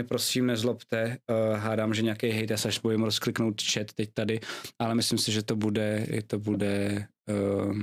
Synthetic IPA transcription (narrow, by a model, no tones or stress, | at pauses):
ɛpɾosiːmnɛzlopt̪ɛɦaːdaːmʒɛɲɛakɛjɦɛjt̪jasaʃbojɪmɾosklɪknowt̪t͡ʃɛt̪ːɛc̚t̪adɪʔalɛmɪslɪmsɪʒɛt̪o̞budɛɛt̪obudɛ